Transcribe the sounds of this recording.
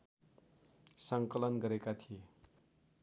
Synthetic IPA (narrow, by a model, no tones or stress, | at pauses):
sʌŋkʌlʌnɡʌɾekat̪ʰie